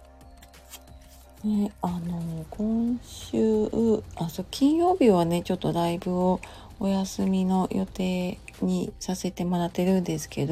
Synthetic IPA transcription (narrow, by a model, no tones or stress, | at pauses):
neano̞kʰõ̞ɰ̃ɕɨːaso̞kʲĩɰ̃jo̞ːbʲiβane̞t͡ɕo̞t̪ːo̞ɾaibɯ̟o | ojasɨmʲino̞jo̞t̪e̞ːɲ̟isase̞t̪e̞mo̞ɾat̪ːe̞ɾɯ̟̃nd̪e̞sɨ̥ke̞d̪o